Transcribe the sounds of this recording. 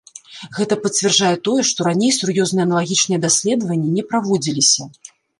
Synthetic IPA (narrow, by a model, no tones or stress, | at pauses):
ɣɛt̪ɐpɐt͡sʲvʲɛrd͡ʐajɛt̪ɔjɛʂt̪ɔɾanʲejsurjɔznɨjɛɐnɐlˠaɣʲit͡ʂnɨjɛd̪asʲlʲɛd̪ɐvɐnʲːinʲɛpɾavɔd͡zʲilʲisʲɐ